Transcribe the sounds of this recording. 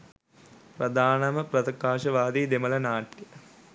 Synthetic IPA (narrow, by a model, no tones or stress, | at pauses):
prɐd̪ʱaːnɐmɐprɐt̪ɐkaːʃɐʋaːd̪iːd̪emɐlɐnaːʈjə